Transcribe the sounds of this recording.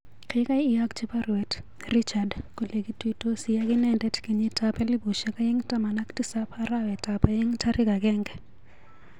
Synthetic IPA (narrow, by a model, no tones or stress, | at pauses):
kʰekʼaijakʼt͡ʃiparuɛtʰ | rit͡ʃʰadkʼulek̬ʼitʼutʼosijakʼinɛntʼɛtʰkʼiɲitʼapʰʼɛlibuʃɛkʼajiŋitʼamanakʼtʼisapʰarawɛtʼapʼajiŋitʰarik̬ʼakʼɛːŋɡɛ